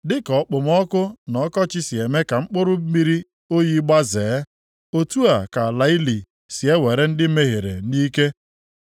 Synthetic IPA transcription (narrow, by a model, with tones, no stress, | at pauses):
dɪ˦kɔ˨˦k͡pʊ˨m˦ɔ˦kʊ˦nɔ˨˦kɔ˦t͡ʃɪ˦si˨e˨me˦ka˨ŋ͡m̩˦k͡pʊ˦ɾʊ˦mi˦ɾi˦ | o˦ji˦ɡ͡ba˦zeː˨˦ | o˦tu˦a˨ka˨la˨˦ɪ˦li˨ | si˨e˦we˨ɾe˦n̩˦dɪ˦me˦ɦe˨ɾḛ˨niː˦ke˦